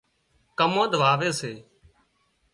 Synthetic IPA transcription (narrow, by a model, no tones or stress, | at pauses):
kəmõːd̪ʱʋaːʋeːseː